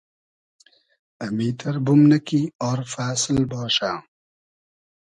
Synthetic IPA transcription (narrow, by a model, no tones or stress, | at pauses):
ɐmiːt̪ʰɐɾbumnɐkiɔːɾfaːsɪlbɔːʃaː